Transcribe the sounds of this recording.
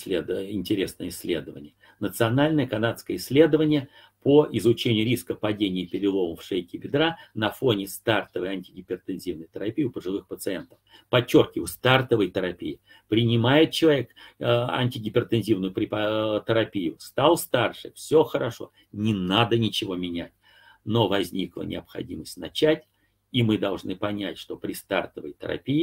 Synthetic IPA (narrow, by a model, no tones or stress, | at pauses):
slʲed̪əɪnʲtʲɪɾʲesnəjəɪsʲːlʲed̪əvə̰nʲɪjə | nət̪sɨɐnalʲnəjəkɐnat̪skəjəɪsʲlʲe̞d̪əvənʲɪjə | pʰoɪzʊt͡ɕenʲɪjʊɾʲiskəpɐdʲenʲɪjəpʲɪɾʲɪlˠo̞məfʂejkʲɪbʲɪd̪ɾanɐfo̞nʲɪst̪art̪əvəjɐnʲtʲɪɡʲɪpʲɪrt̪ɨnzʲivnəjt̪əɾɐpʲijʊpəʐɨlˠɨxpət̪sɨent̪ə̥f | pɐt͡ɕːorkʲɪɪst̪art̪əvəjt̪əɾɐpʲijɪ | pɾʲɪnʲɪmajɪt̪̚t͡ɕɪlˠɐvʲekɐ̰nʲtʲɪɡʲɪpʲɪrt̪ɨnzʲivnʊjʊpɾʲɪpt̪əɾɐpʲijʊst̪alˠst̪arʂɨ̰fsʲo̞xəɾɐʂo̞̰ | nʲɪnad̪ənʲɪt͡ɕɪvo̞mʲɪnʲætʲ | no̞vɐzʲnʲiklˠə̰nʲʔɪ̰ɐpxɐ̰dʲiməsʲtʲnɐt͡ɕætʲ | imɨd̪ɐlˠʐnɨpɐnʲætʲʂt̪o̞pɾʲɪst̪a̰rt̪əvə̰jt̪ə̰ɾɐ̰pʲijɪ